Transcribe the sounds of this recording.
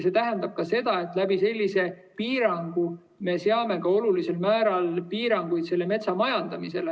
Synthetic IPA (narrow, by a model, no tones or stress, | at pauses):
se̞ːt̪æɦend̪̥ɑb̥̚kɑse̞d̪̥ɑe̞t̪ːˑlæbise̞lʲːise̞ | piːɾɑŋɡ̥u | me̞seɑme̞kɑo̞lulise̞lmæːɾɑlpiːɾɑŋɡ̥ujt̪se̞lːe̞me̞t̪sɑmɑjɑnd̪̥ɑmise̞le